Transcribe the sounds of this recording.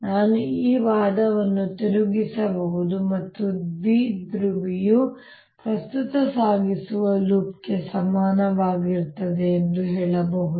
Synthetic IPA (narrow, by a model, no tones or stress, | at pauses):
naːnuiːʋaːd̪ɐʋɐnːut̪iɾuɡisɐbɐɦud̪umɐt̪ːubiːd̪ɾuʋiju | pɾɐst̪ut̪ɐsaːɡisuʋɐluːp̚ke̞sɐmaːnɐʋaːɡiɾt̪ɐd̪e̞ːnd̪uɦɛːɭɐbɐɦud̪u